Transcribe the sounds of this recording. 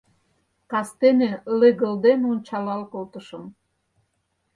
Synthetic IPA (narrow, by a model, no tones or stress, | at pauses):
kɑst̪enelĕɣə̆ld̪enont͡ɕɑlɑlkolt̪ə̆ʃəm